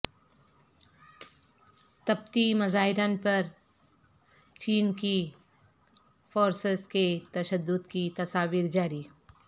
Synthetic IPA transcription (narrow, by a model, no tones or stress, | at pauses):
t̪ɐb̚t̪imɐzaːɦɪɾanpɐɾ | t͡ʃiːnki | foːɾsəzket̪ɐʃəd̪ːʊd̪kit̪ɐsaːʋiːɾd͡ʒaːɾiː